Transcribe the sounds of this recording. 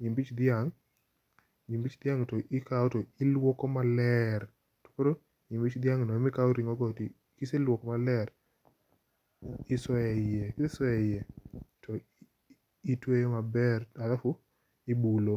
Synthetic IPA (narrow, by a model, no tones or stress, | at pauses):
ɲimbit͡ʃd̪ɪaŋ | ɲimbit͡ʃd̪ɪaŋtoʔɪkaotoɪlwɔkɔmalɛr | to̥koɾo | ɲimbit͡ʃd̪ɪaŋnɔmɪkaoɾiŋɔɡɔti | kɪselwɔkɔmalɛɾ | ɪswɔɛɪjekɪseswɔɛɪjɛtʰɔ | itwejomabɛralafu | ibulo